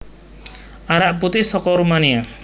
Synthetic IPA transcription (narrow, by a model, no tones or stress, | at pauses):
aɾaʔput̪esɔkɔɾumania